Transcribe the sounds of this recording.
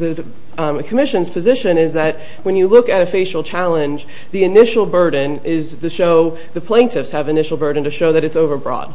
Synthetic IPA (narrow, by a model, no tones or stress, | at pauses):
ðɨ | kʰəmɪʃɨ̃nz̥pʰɨzɪʃɨ̃nɪzðɨt̚ | wə̃njɨlʊkɨɾɨfeɪʃl̩ˠt͡ʃʰælˠə̃nd͡ʒ | ðiɨnɪʃl̩ˠbɜ˞dⁿn̩ɪz̥tʰɨʃoʊ | ðɨpʰl̥ẽɪ̃ntʰɨfshɨvɨnɪʃl̩ˠbɜ˞dⁿn̩tɨʃoʊðɨɾɨtsoʊvə˞bɹɔ̰d̥